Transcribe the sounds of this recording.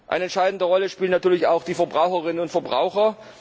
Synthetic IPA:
ʔa̰ɪnəɛntʃaɪdn̩dəʁɔləʃpiːlnːatʰyːɐlɪçaʊxd̥iːfɛɐbʁaʊxəʁɪnənʊntfɛɐbʁa̰ʊxɐ

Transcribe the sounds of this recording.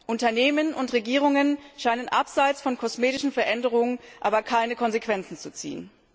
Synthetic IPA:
ʔʊntɐneːmənʊntʁeɡiːʁ̞ʊŋənʃaɪnənʔapz̥aɪt͡sfɔnkʰɔsmeːtɪʃn̩fɛɐʔɛndəʁ̞ʊŋənʔaːbɐkʰaɪnəkʰɔnzekv̥ɛnt͡sn̩t͡sut͡sḭːən

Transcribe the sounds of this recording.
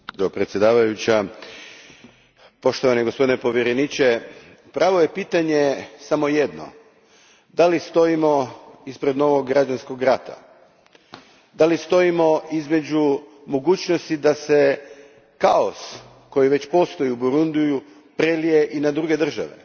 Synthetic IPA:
pɾet̪sʲje̞d̪aːʋajut͡ɕa | po̞ʃt̪oʋaneɡospo̞d̪inepo̞ʋjeɾenit͡ʃe | pɾaːʋoje̞piːt̪aɲe̞samo̞jed̪no̰ | d̪alist̪o̞imo̞ispɾe̞d̪no̞ʋo̞ɡːɾad͡ʒansko̞ɡɾat̪ʰa̰ | d̪alist̪o̞imo̞izme̞d͡ʑu | mo̞ɡuːt͡ɕno̞st̪id̪ase̞ | kaos | ko̞jiʋe̞t͡ɕpo̞st̪o̞jiubuɾund̪uju | pɾe̞lije̞ʔinad̪ɾuɡe̞d̪r̩ʒa̰ʋe̞̰

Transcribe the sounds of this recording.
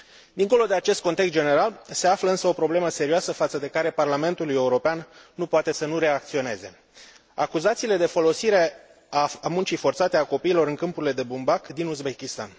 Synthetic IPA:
d̪iŋko̞lo̞d̪e̞at͡ʃe̞st̪ko̞nt̪ekst̪d͡ʒe̞ne̞ɾalse̞afləɨnsəo̞pɾo̞ble̞məse̞ɾioasəfat̪səd̪e̞kaɾe̞parlame̞nt̪uluje̞uɾo̞peanːupoat̪e̞sənuɾe̞ak̚t̪sio̞ne̞ze̞ | a̰kuzat̪siːle̞d̪e̞fo̞lo̞siɾe̞ | amunt͡ʃijfo̞rt̪sat̪e̞ako̞piːlo̞ɾɨŋkɨmpuɾile̞d̪e̞bumbakd̪inuzbe̞kʲist̪a̰n

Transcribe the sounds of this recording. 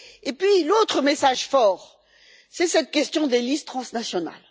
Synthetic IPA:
epɥilot̪χəmesaʒfɔːʁ | sɛsɛt̪̚kʲɛst̪jɔ̃d̪elist̪χɑ̃snasjɔna̰l

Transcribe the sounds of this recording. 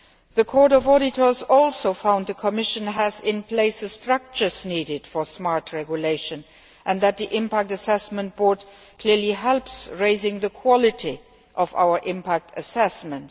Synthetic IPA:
ðəkʰɔːɹɾɔvɔɾɪtʰə˞zɔlˠsoʊfãʊnd̪̚ðəkʰɔmɪʃə̃næzɪ̃npʰleɪsəstɹʌk̚t͡ʃə˞zniːɾɪd̥fɔsmɑɹtʰɹɛɡjuleɪʃə̃n | ʔæ̃nðæt̪̚ðiʔɪ̃mpæk̚təsɛsmə̃nt̚b̥ɔɹd | kʰl̥iɹliɦɛlpsɹeɪzɪ̃ŋðəkʰwɑlɪtʰi | ʔɔva̰ʊə˞ʔɪ̃mpʰæk̚tʰəsɛsmə̃nt

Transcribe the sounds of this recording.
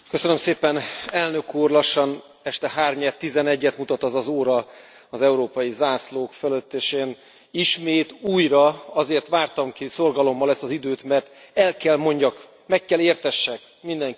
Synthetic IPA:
kø̞sønø̞mseːpɛnɛlnø̞kuːrlɒʃːɒn | ɛʃt̪ɛɦaːrɲɛt̪ːizɛnɛɟːɛt̪mut̪ɒt̪ɒzɒzoːɾɒ | ɒzɛuɾoːpɒjizaːsloːkfɛløt̪ːeːʃeːn | iʃmeːt̪uːjrɒɒzeːrt̪ʋaːrt̪ɒmkiso̞rɡɒlo̞mːɒlɛst̪ɒzid̪øːt̪mɛrt̪ | ɛlkɛlmo̞ɲɟɒk | mɛkːɛleːrt̪ɛʃːɛk | mind̪ɛŋk

